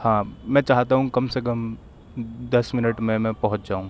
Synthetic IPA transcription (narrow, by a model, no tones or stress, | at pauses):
hãːmɛ̃ːt͡ʃaːɦt̪aɦũkɐmsekəm | d̪ɐsmɪnəʈmẽmɛ̃pɐɦʊ̃t͡ʃd͡ʒaːũ